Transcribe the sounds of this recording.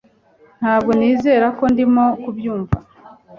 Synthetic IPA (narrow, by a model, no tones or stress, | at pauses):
n̥haːb̚ɡo̞niːze̞ːɾako̞ndimo̞kubjuːɱva̰